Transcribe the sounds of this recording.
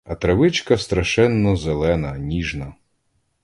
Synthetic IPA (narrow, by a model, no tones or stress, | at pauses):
ɐt̪ɾɐʋɪt͡ʃkɐst̪ɾɐʃɛnːɔzelˠɛnɐnʲiʒnɐ